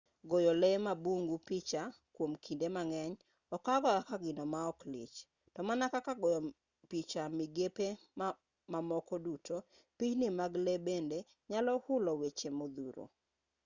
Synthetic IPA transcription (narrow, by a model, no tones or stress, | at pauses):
ɡojɔlɛmabuŋɡupɪt͡ʃakwomkʰindemaŋɛɲ | ɔkaɡɔakaɡɪnɔmaɔklɪ̰t͡ʃ | tɔmanakakaɡɔjɔ | pit͡ʃamɪɡepe | ma | mamɔkɔdutʰo | pit͡ʃnɪmaɡlebende | ɲalɔhʊlɔwet͡ʃemod̪uɾo̰